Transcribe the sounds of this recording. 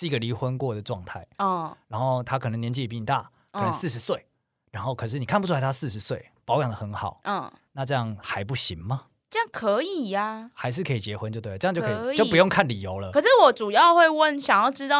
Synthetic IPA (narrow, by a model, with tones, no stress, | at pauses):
ʂ̩˥˩i˥ɡə˩li˧˥xwə˦nkwɔ˥˩d̪ə˩ʈ͡ʂwɑ˥˧ŋt̪ʰa˥˩ɪɔ˥˩ɻa˧˥nxo˥˧ʊt̪ʰa˦˥kʰə˨nə˧˦ŋnjɛ˧˥nt͡ɕi˥˩˨pi˥˧˩t̪a̰˥˨˩ | kʰə˨˩nə˧˦ŋsɹ̩˥˩ʂ̬̩˧˦swe˥˩ɪ | ɻa˧˥nxo˥˩ʊkʰɤ˨˩ʂ̬ɻ̩˥˩ni˨˩kʰa˥˧pu˥ʈ͡ʂʰu˥la˧˥ɪtʰa˥˧sɹ̩˥˩ʂɻ̩˧˥˦swe˥˩ɪpɑ˧˦ʊjɑ˨˩ŋd̪ə˩˨xə˧˦nxɑ˨˩ʊʔɔ˥˧˩na˥˧ʈ͡ʂɤ˥˧jɑ˥˩ŋxa˧˥ɪp̬u˥˩ɕi˧˦ŋmɐ˨ | ʈ͡ʂə˥˧jɑ˥˩ŋkʰə˨˧˦i˨˩a˩xa˧˥ɪʂ̬ɻ̩˥˩kʰə˧˥i˨˩t͡ɕjɛ˧˥xwə˧˦nt͡ɕjo˥˧t̪we˥˩˨t͡ɕo˥˧kʰːt͡ɕjo˥˩˨p̬u˧jo˥˧ŋkʰa˥˩nli˨˩jo˧˥ʊlə˧kʰə˨˩ʂɻ̩˥˩wɔ˨˩ʈ͡ʂu˨˩jɑ˥˧ʊxwe˥˧ɪwə˥˨nɕjɑ˨˩ŋjɑ˥˩ʊʈ͡ʂɻ̩˥t̪ɑ˥˨